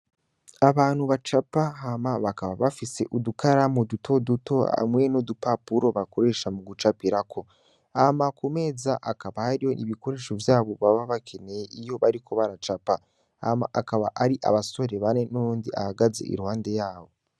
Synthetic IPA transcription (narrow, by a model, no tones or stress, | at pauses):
aβaːnhuβat͡ʃapaɦamaβakaβaβafise̞ʔudukaɾamod̪utʰo̞duto̞a̰mwe̞nod̪upapuɾo̞βako̞ɾe̞ʃamuɡut͡ʃapiɾakʰo̞ | amakume̞ːzaʔakaβahaɾijo̞nʔiβiko̞ɾe̞ːʃo̞vjaːβo̞βaβaβakʰe̞ne̞jeʔijo̞βaɾikʰo̞βaɾat͡ʃapa | a̰maʔakaβaʔaɾiʔa̰βaso̞ɾe̞βanenoɾuːndiʔa̰haɡaze̞̰ʔḭɾuhaːnde̞jaːβo̞